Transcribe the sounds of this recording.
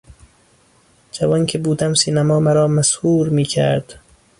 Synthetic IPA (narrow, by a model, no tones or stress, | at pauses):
d͡ʒævɒːncʰebuːd̪æmsiːnæmɒːmæɾɒːmæshuːɾmiːcʰæ̰ɾd̪̥